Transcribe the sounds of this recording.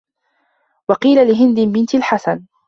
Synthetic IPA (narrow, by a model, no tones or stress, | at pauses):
wɑqiːlalɪɦɪnd̪ɪbɪnt̪ɪlħasan